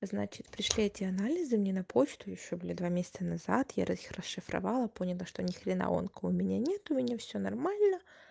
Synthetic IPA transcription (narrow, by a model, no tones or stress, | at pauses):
znat͡ɕɪt̪pɾʲɪʂlʲiɛtʲɪɐnalʲɪzɨmnʲenɐpʰo̞t͡ɕt̪ʊjɪɕːobɨlʲɪd̪vamʲesʲɪ̥t̪sənɐzat̪ja̰ɾəixrəsʂɨfɾɐ̰valˠəpo̞nʲɪlˠəʂt̪onʲɪxɾʲɪna̰o̰nkəʊmʲɪnʲanʲet̪ʊmʲɪnʲafsʲonɐrmalʲnə